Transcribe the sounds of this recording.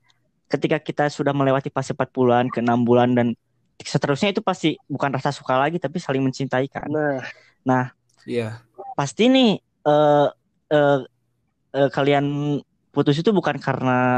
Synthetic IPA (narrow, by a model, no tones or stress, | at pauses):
kət̪ikakit̪asudahməlewat̪ipasəpat̪̚puluankəənambulandan | sət̪əɾusɲait̪upast̪ibukanrasasu̥kalaɡit̪apisalɪŋməɲt͡ʃint̪aika̰nnah | nah | a | past̪inɪh | ʔə | ə | əːkalian | put̪us̬it̪ubukankaɾəna